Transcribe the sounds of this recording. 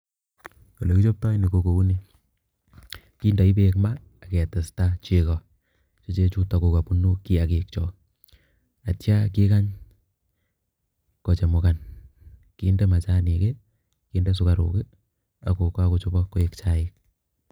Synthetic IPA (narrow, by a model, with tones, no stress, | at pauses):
ko˨le˨ki˦t͡ʃo˦p̚ta˦jni˨ko˨ko˨u˦ni˦ | ki˦nda˨i˦bekmaː˦˨kɛ˨tɛ˨sta˦t͡ʃɪ˨kɔ˨ | t͡ʃɔ˦t͡ʃe˦t͡ʃu˦ta˨ko˨ka˨pu˦no˦ki˦a˨ke˨k̚t͡ʃɔ˨ | a˨tja˦kɪ˦ka˦ɲ | kɔ˨t͡ʃe˨mʊ˨ka˨n | ki˦ndɛ˦ma˨t͡ʃa˦ni˨ke˦ | kiː˦ndɛ˦s̬ʊ˦ka˨ɾo̰˨kɪ˦ | a˨ko˨ka˦ko˨t͡ʃɔ˦bɔ˦kːo˦e˦kt͡ʃa˦ɪk̚